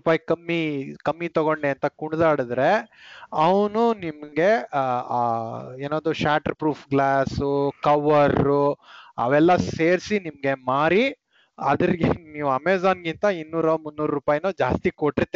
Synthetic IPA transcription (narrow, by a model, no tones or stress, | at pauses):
paːjkɐmːikɐmːit̪ɔɡoɳɖeɐnt̪ɐkuɳd̪aːɽid̪ɾe̞ɐʋnunimɐɡe̞aːeːnoːd̪uʃaːʈɐɾpɾuːpʰɡlaːsukɐʋːɐɾːuɐ̰ʋɛlːɐse̞ːɾsinimɐɡe̞maːɾi | ɐd̪ɐɾiɡeniːʋuɐmeːzaːnɡint̪ɐinːuːɾɐmunːuːɾɾupaːjnuːd͡ʒaːst̪ikoʈːiɾt̪ːe